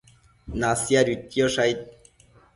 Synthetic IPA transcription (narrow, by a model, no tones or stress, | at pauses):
nasjaɾit̪joʂajt̪̚